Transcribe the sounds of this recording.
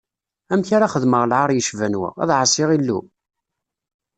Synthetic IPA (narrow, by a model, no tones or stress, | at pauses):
æmçaɾaχəðməʁlʕaɾˤjəʃvænwæ̰æ̰ðʕəsˤɪʁilːṵ